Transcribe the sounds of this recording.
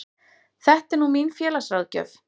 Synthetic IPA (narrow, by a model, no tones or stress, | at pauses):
θɛht̪ɛɾnuminfjɛːlasrawðcœ̰v